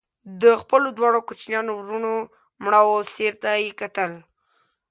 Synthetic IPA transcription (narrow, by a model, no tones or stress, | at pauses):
d̪əxpəlod̪wɑɽ̃okot͡ʃnjɑnowɾuno | mɳawoseɾt̪ajekat̪əl